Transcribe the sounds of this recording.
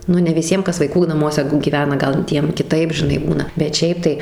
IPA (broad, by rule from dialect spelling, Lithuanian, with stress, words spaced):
ˈnʊ nʲɛ ʋʲɪˈsʲiɛm ˈkɐs ʋɐɪˈkuː nɐˈmuɔsʲɛ ɡʲiːˈʋʲæːnɐ ˈɡɐlˠ ˈtʲiɛm kʲɪˈtɐɪp ʒʲɪˈnɐɪ ˈbuːnɐ bʲɛt ˈʃʲɛɪp tɐɪ